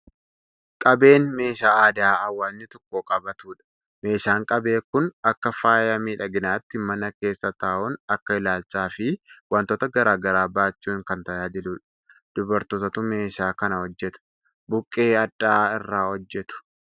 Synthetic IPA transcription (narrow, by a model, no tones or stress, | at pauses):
kʼɐbe̞ːnme̞ːʃaːaːd̪aːɐwːaːnːɪt̪ɔkːoːkʼɐbɐt̪uːᶑɐ̥ | me̞ːʃaːŋkʼɐbe̞ːkʊnɐkːɐfaːjɐmiːᶑɐɡɪnaːt̪ːɪmɐnɐke̞ːsːɐt̪aːʔʊnɐkːɐɪlaːlt͡ʃaːfɪwɐnt̪oːt̪ɐɡɐɾaːɡɐɾaːbaːt͡ʃːuːŋkɐnt̪ɐjaːd͡ʒɪlʊːᶑɐ̥ | d̪̥ʊbɐɾt̪oːt̪ɐt̪ʊme̞ːʃaːkɐnɐhɔd͡ʒːɛt̪ʊ̥ | bʊkʼːeːɐdːaːɪrːaːhɔd͡ʒːɛt̪ʊ̥